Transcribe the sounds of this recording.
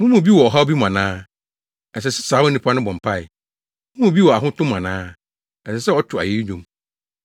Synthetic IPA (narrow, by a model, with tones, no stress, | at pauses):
mũ˦mũ˨bi˦wɔ˨ɔ˨ɦa˦o˦bi˦m˨ã˨nãː˦ | ɛ˨s̬ɛ˨sɛ̥˦saː˨˦wʊ˦nĩ˦pʰa˦nʊ̃˦bɔ̃˨m̩˨pʰa˦˨ɪ̰˨ | mũ˦mũ˦˨bi˦wɔ˨a˨ɦʊ̃˦tʰʊ̃˦m˨ã˨nãː˦ | ɛ˨sɛ˨sɛ˦ɔ˦t͡ɕʰᶣʊ˨a̰˨je˦ɾi˦ɲᶣũ˨m